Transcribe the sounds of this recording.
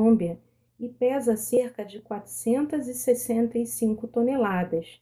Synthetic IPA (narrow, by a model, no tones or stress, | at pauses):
õmbiɐ | ɪpɛzɐseɾkɐd͡ʒɪkwat̪ɾu̥sẽnt̪ɐzɪsesẽnt̪ɐisĩŋkʊt̪onelad̪ɐs